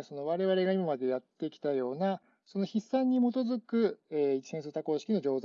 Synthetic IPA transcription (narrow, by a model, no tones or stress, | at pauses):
so̞no̞βaɾe̞βaɾe̞ɡaimamad̪e̞jat̪ːe̞kʲi̥t̪ajo̞ːna | so̞no̞çisːãɲ̟ːimo̞t̪o̞zɨkɯ̟eit͡ɕi̥sẽs̬ɨɾɯt̪ako̞ːɕi̥kʲino̞d͡ʑo̞ːza